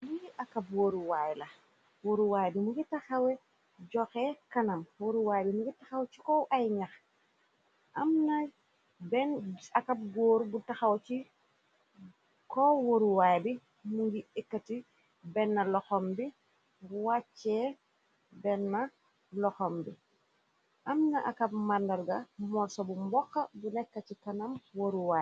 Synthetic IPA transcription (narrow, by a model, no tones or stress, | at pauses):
liʔɐkabwoɾuwajlɐ | woɾuwajbimuɡitaxɐwɛ | ɟɔxɛkɐnɐmwoɾuwajbimuɡitaxɐwt͡ʃikɔwʔajɲax | ʔɐmnaj | bɛnɐkap̚ɡoːɾubutaxawt͡ʃi | kɔwoɾuwajbi | muŋɡiikːɐti | bɛnːɐlɔxɔmbi | wat͡ʃːɛ | bɛnːɐ | lɔxɔmbi | ʔɐmnɐʔa̰kɐp̚mandɐɾɡɐmɔɾsɔbumbɔxːɐbunɛkːɐt͡ʃikɐnɐmwoɾuwa